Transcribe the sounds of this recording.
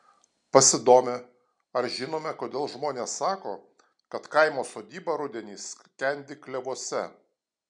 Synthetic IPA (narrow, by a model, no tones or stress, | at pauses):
pɐsʲɪd̪oːmʲe | ɐɾʒʲɪnoːmʲɛkoːd̪ʲeːlˠʒmoːnʲeːsːɑːko̰ː | kɐt̪kɐɪmoːsoːd̪ʲiːbɑɾʊd̪ʲɛnʲiːs | kʲɛnʲd̪ʲɪklʲɛʋuɔsʲɛ